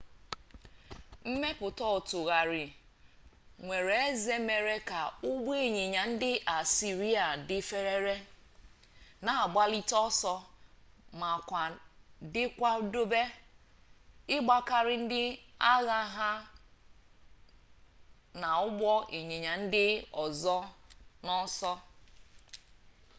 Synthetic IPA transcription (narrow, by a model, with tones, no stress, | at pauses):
m̩˦me˦pʊ˨tɔ˦˨tʊ˨ɣa˨ɾɪ˨ | ŋʷe˨ɾe˨e˦ze˦me˨ɾe˦ka˨ʊ˦ɡ͡bʷe˨ɲe˨ɲa˨n̩˦dɪ˦a˨si˨ɾi˦a˨dɪ˦fe˦ɾe˦ɾe˦ | na˨ɡ͡ba˦li˦tɔ˦sɔ˦ | ma˨kʷa˨dɪ˦kʷa˦do˦be˦ | ɪ˦ɡ͡ba˦ka˦ɾɪ˦n̩˦dɪ˦a˦ɣa˦ɦa˦ | na˨ʊ˦ɡ͡bɔ˦e˨ɲe˨ɲa˨n̩˦dɪ˦ɔ˨zɔ˦nɔ˦sɔ˦